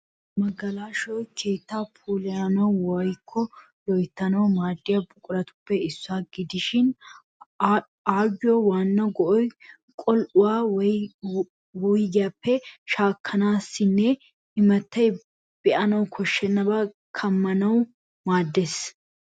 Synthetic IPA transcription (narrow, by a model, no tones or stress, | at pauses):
mɐɡɐlaːʃɔjkʰe̞ːt̪ːaːpʰuːlɛjanɐwwɔjkʰːɔ | lɔjt̪ːɐnɐwmaːd̪ːɪjɐbʊkʼʊɾɐt̪ʊ̥pːɛɪsːaːɡɪd̪ɪʃɪn | aːɡɪjɔwaːnːɐɡɔʔɔj | kʼɔlʔʊwaː | wʊjɡɪapːɛʃaːkʰːɐnaːsːɪnːɛ | ɪmɐt̪ːɐj | b̥ɛʔɐnɐwkʰɔʃːɛnːɐbaː | kʰɐmːɐnɐw | maːd̪ːes